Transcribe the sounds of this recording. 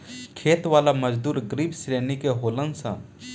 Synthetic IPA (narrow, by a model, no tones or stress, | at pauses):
kʰeːt̪ʋaːlaməd͡ʒd̪uːɾɡɾibsɾeːnikeɦoːlənsə̰̃